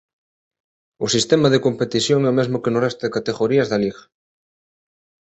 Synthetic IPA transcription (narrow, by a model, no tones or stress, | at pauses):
ʊsist̪ɛmaðekompet̪iθjoŋɛomezmʊkenʊrɛst̪ʊðekat̪eɣoɾiɐzðaliɣɐ